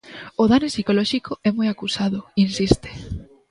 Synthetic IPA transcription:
oðanesikolɔʃikoɛmujakusaðʊinsist̪e̥

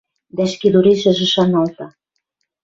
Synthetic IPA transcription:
d̪æʃkid̪uɾiʃə̆ʒĕʃɑnɑlt̪ɑ

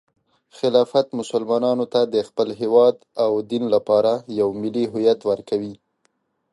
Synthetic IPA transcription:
xɪlɑfat̪mʊsʊlmɑnɑnot̪ad̪əxpəlɦewɑd̪awd̪inlapɑɾajawmɪliɦʊjat̪wəɾkawi

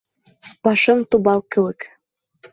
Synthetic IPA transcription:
pɑʃɤŋt̪ubɑlˠkɘwɘk

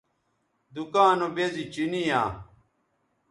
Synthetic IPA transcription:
d̪ukaːnobezit͡ɕinijaː

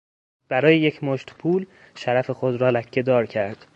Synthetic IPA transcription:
b̥æɾɒːjeje̞cʰmoʃt̪pʰuːl | ʃæɾæfe̞xo̞d̪ɾɒːlæcʰːe̞d̪ɒːɾcʰæɾd̪̥

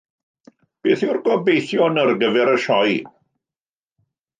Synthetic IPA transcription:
b̥eːθʊrɡɔbejθjɔnərɡəvɛɾəʃɔj

